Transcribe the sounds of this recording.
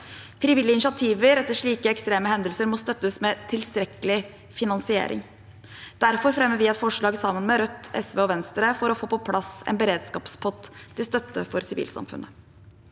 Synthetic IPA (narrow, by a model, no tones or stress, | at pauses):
fɾiːʋɪlɪəɪnɪʂɑt̪ʰiːʋəɾɛt̪ːəʂɭiːkəɛkst̪ɾeːməhɛnd̪əlsəɾmɔst̪œt̪ːəsmɛt̪ʰɪlst̪ɾɛkəlɪ | fɪnɑnsɪḛːɾʔɪ̰ŋ | d̪̥æɾfɔɾfɾɛmːəɾʋɪɛt̪fɔʂɭɑːɡsɑmːənmɛɾœt̪ːɛ̰sʋeːɔʋɛnst̪ɾəfɔɾɔfoːpɔpʰlɑsɛ̰nbəɾeːd̪skɑːpspʰɔt̪ʰːɪlst̪œt̪ːə̰fɔɾsɪʋḭːlsɑ̰mfʉ̰nʔə